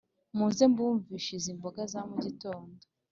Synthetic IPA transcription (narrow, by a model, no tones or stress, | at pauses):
muːnze̞mbuːɱviːʃizimbo̞ɡazamuɟito̞ːndo